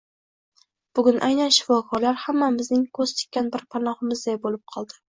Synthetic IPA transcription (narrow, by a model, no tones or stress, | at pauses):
b̥ʊɡʲʊnʔajnanʃɪ̥fɒkʰɒɾlaɾhamːamɪznɪŋkʰɵz̥t̪ʰɪ̥kʲːanbɪɾpʰanɒhɪmɪzd̪ajbolɪp̚qʰɒlˠd̪ɪ̥